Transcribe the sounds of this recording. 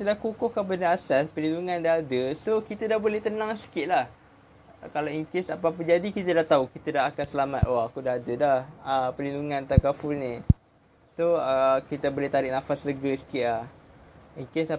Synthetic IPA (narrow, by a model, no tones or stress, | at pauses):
it̪ədahkukʊhkabənaasɛspəlinduŋãndaɦadəsokit̪adahbolɛht̪ənãŋsi̥kɪʔ̪̚lah | kalaiŋkesapap̬əd͡ʒadikit̪ədaht̪aukit̪ədaɦakansəlama̰t̪aakudaɦadədahəpəlinduŋãnt̪akafulnĩ | soəkit̪əbolɛht̪aɾɪʔ̚nafasləɡəsə̥kɪt̪̚lah | iŋkesa